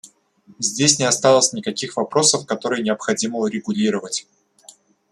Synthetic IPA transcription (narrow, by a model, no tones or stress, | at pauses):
zʲdʲesʲnʲɪɐst̪alˠəsʲnʲɪkɐkʲixvɐpɾo̞səfkɐt̪o̞ɾɨjənʲɪɐpxɐdʲiməʊɾʲɪɡʊlʲiɾəvətʲ